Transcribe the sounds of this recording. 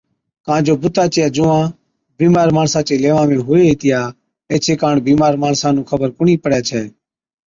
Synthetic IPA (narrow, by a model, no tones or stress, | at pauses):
kãːd͡ʒoːbʊt̪aːt͡ʃɪjaːd͡ʒʊːãː | biːmaːɾmaːɳsãːt͡ʃeːleːʋãːʋẽːɦʊːeːiːt̪ɪjaː | eːt͡ʃʰeːkaːɳbiːmaːɾmaːɳsãːnũːkʰəbəɾkʊɳiːpəɽjaːt͡ʃʰɛː